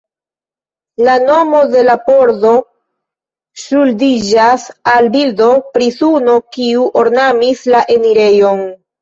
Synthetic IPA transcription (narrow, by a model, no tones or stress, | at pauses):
lano̞mo̞de̞lapoɾdo̞ | suldid͡ʒasalbildo̞pɾisuno̞kiuʔoɾnamislaʔe̞miɾe̞jo̞n